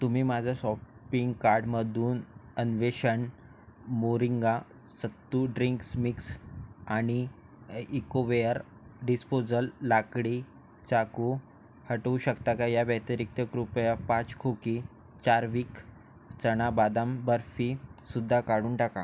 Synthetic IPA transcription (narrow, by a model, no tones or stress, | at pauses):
t̪um̤iːmad͡zʱasɔpiŋɡkaɾɖməd̪ʱuːnənʋeɕəɳ | moɾiŋɡa | sət̪ːuɖɾiŋksmiksaɽ̃i | ikoʋejəɾ | ɖispod͡zəlːakɽi | t͡saku | həʈəʋuɕəkt̪akajaʋəjt̪əɾik̚t̪əkɾupjapãt͡skʰoki | t͡ɕaɾʋiːk | t͡səɽ̃abad̪ambəɾfisud̪ʱːakaɽuːɳʈaka